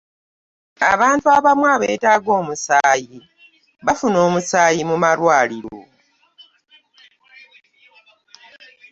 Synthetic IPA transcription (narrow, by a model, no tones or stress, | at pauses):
a̰βaːntuaβamwaːβeːtaːɡo̞ːmusaːji | βafuno̞ːmusaːjimumalwaːliɾo̰